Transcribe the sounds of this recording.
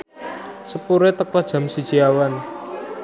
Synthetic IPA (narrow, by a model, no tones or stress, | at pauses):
səpuɾet̪əkɔhd̥ʒ̥a̤msid̥ʒ̥iawan